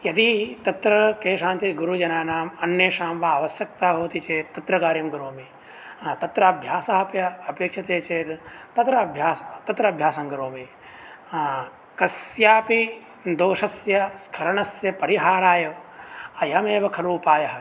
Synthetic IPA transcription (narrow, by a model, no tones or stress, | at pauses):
jɐd̪it̪ɐt̪ɾɐkeːʃaːnt͡ʃeɡuɾud͡ʒɐnaːnaːmɐnːjeːʃaːmʋaːʋɐsjɐk̚t̪aːbʱoːʋt̪it͡ʃeːt̪ːɐt̪ɾɐkaːɾjɐmɡuɾoːmi | t̪ɐt̪ɾɐɐbʱjaːsɐɦɐpjɐɐpeːkʃɐt̪eːt͡ʃeːt̪ɐt̪ɾɐbʱjaːt̪ɐt̪ɾɐɐbʱjaːsɐ̃ŋɡɐɾoːmi | kɐsjaːpi | d̪oːʃɐsjɐskʰɐɾɐɳɐsjɐpɐɾiɦaːɾaːjɐʋɐjɐmeːbɐkʰɐɾuːpaːjɐɦɐ